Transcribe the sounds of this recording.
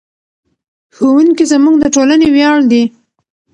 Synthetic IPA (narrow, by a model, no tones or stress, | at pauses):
xowuŋkizamuɡd̪əʈolanewjɑɭd̪i